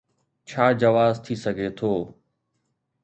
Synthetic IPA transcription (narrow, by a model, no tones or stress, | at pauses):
t͡ɕʰaːd͡ʒɐʋaːzt̪ʰisəɡʱet̪ʰoː